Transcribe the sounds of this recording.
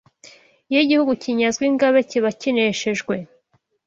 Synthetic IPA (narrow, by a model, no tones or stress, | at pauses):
jiɟihuɡuciɲazɡwiŋɡaβeciβacineʃeʒɡwe̞